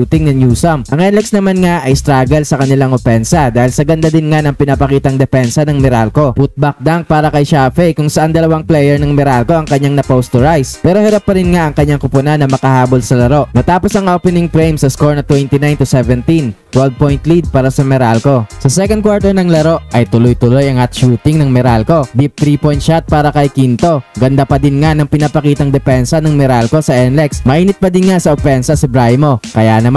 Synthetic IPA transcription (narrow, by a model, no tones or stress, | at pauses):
ut̪ɪŋnɐnjuːsɐmʔɐŋʔɛnlɛksnɐmanŋaʔɐjst̪ɾaːɡɐlsɐkɐnɪlaŋʔofɛnsɐd̪aːhɪlsɐɡɐnd̪ad̪ɪnŋanɐŋpɪnapɐkiːt̪ɐŋd̪ɛpɛnsɐnɐŋmɛɾalko̞put̪̚bɐk̚d̪aŋk̚paːɾɐkɐjʃafɛjkʊŋsɐʔand̪ɐlɐwaŋplɛjɛɹnɐŋmɛɾalko̞ɐŋkɐɲːaŋnɐpost̪ɔɹajspɛːɾo̞hɐɾapːɐɾɪnŋaʔɐŋkɐɲːaŋkʊpʊnɐnːɐmɐkɐhaːbolsɐlɐɾo̞ʔmɐt̪aːposɐŋʔopɛnɪŋpɾejmsɐskoɹnɐt̪wɛnt̪inajnt̪usɛvɛnt̪int̪wɛld̪̚pojnt̪lid̪̚paːɾɐsɐmɛɾalko̞sɐsɛkond̪̚kwaɹt̪ɛnɐŋlɐɾo̞ʔʔɐjt̪ʊlojt̪ʊlo̞jɐŋhɐt̪ʃuːt̪ɪŋnɐŋmɛɾalko̞b̪ip̚t̪ɾiːpojnʃat̪̚paːɾɐkɐjkint̪o̞ɡɐnd̪apɐd̪ɪnŋanɐŋpɪnapɐkiːt̪ɐŋd̪ɛpɛnsɐnɐŋmɛɾalko̞sɐʔɛnlɛksmɐʔiːnɪt̪̚pɐd̪ɪnŋasɐʔofɛnsɐsɪbɾajmo̞kɐjanɐma